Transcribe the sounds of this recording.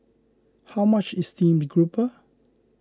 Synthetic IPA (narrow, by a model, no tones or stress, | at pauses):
hawmat͡ʃɛstĩmdɡɹupə